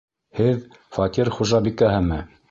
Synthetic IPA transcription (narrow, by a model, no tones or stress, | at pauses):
hɘð | fɑt̪ʲiɾχuʒɑbik̪æɦɘmɘ